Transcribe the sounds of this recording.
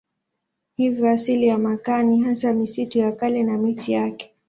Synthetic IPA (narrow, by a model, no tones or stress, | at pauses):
hivɔasilijamakaniɦasamisitujakalɛnamitijakɛ̥